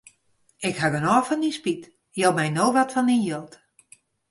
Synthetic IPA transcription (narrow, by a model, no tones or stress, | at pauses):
ɪkhaɡənɔːfɔndinspit | jowmɛjnoːʋɔtfɔndinjølˠt